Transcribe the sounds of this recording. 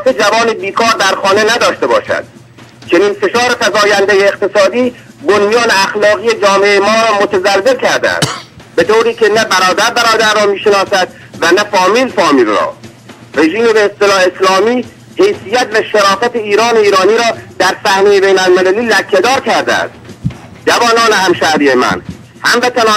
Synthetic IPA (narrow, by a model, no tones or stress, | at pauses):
t̪ed͡ʒævɒːnebiːkʰɒːɾd̪æɾxɒːne̞næd̪ɒːʃt̪e̞bɒ̰ːʃæ̰d̪̥̚ | t͡ʃʰe̞niːnfe̞ʃɒːɾe̞fæzɒːjænd̪ejeːqt̪e̞sɒːd̪iː | bonmijɒːneæxlɒːɣijed͡ʒɒːmeʔejemɒːɾɒːmot̪ʰæzælzelkʰæɾd̪æ̰æ̰s | be̞t̪ʰoːɾiːke̞næbæɾɒːd̪æɾbæɾɒːd̪æɾːɒːmiːʃenɒːsæd̪̥̚ | vænæfɒːmiːlfɒːmiːlrɒ̰ː | re̞ʒiːmebeːst̪elɒːheslɒːmiː | he̞jsijæt̪væʃeɾɒːfæt̪ʰeiːɾɒːneiːɾɒːniːɾɒːd̪̥æɾsæhnejebejnælmelæliːlækʰːed̪ɒːɾkʰæɾd̪æ̰æ̰s | d͡ʒævɒːnɒːnehæmʃæɾiːjemæ̰n | hæmbet̪ʰænɒː